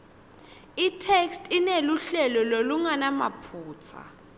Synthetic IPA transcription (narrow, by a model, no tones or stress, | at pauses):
itʰɛkstʼineluɬɛlɔloluŋanamapʰuːt͡sʰa̰